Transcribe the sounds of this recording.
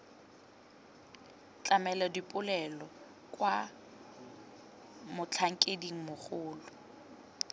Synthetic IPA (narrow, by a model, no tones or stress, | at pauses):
t͡ɬʼamɛladipʼʊlɛlɔ | kʼwa | mʊt͡ɬʰaŋ̩kʼediŋ̩mʊχʊːlʊ